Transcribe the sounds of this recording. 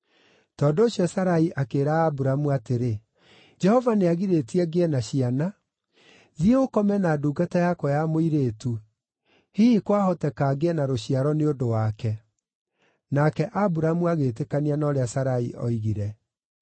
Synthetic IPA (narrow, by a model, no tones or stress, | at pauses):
tɔːndooɕjɔsaɾaiʔakeːɾaːbuɾamuateɾe | d͡ʒɛhɔvaneaɣiɾetiɛɡeɛnaɕiana | ðieokɔmɛnaduːɡatajakwɔjamoiɾeːtu | hiikwahɔtɛkaɡeɛnaɾoɕiaɾɔneondowakɛ | nakɛʔabuɾamuaɣeːtekanianɔɾeasaɾaḭʔɔ̰iɣiɾɛ